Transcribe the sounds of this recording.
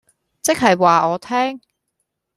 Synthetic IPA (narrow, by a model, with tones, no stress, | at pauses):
t͡sɪ˥k̚ɦɐ˨jwaː˨ɔː˨˧t̪ʰɛː˥ŋ